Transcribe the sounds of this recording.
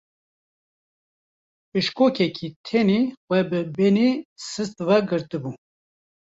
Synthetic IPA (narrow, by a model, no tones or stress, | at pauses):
pɨʃkoːkʰɛkʰit̪ʰenexʷwɛbɨbenesɨst̪vɛɡɨɾt̪ɨbu